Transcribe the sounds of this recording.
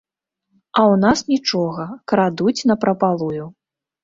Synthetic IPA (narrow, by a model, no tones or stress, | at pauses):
ɐwn̪asnʲit͡ʂɔɣɐkɾad̪ut͡sʲnɐpɾɐpalˠuju